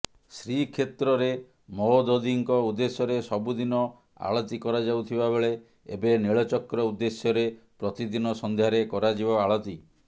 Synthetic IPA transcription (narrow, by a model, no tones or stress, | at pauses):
sɾikʰet̪ɾɔɾe | mɔd̪od̪iŋkɔud̪ːesjɔɾesɔbud̪inɔ | a̰ɭɔt̪ikɔɾad͡ʒawt̪ʰibabeɭe | ḛbeniɭɔt͡ʃɔkɾɔud̪ːesjɔɾepɾɔt̪id̪inɔsɔnd̪ʱjaɾekɔɾad͡ʒibɔaɭɔt̪i